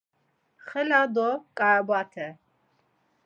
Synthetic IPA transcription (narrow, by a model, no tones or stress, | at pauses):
χɛlad̪ɔkʼabat̪ʰɛ